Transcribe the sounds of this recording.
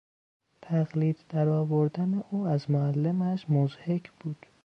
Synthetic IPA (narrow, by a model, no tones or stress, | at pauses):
t̪ʰæɣliːd̪d̪æɾɒːvoɾd̪æneʔuːæzmoælːemæʃmozhecʰb̥uːd̪̥